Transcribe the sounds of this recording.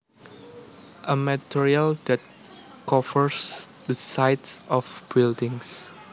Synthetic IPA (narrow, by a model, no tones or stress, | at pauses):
ʔəmatʰiɹialdɛt̚ | kɔvəɹsdəsajtɔfb̥ildɪ̃ŋs